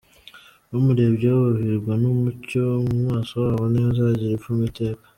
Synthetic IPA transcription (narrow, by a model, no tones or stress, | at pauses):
nomuɾe̞bɟoβaβiɾɡwanomuco̞mumŋaːso̞waːβone̞ːzaɟiɾefumite̞ːkḁ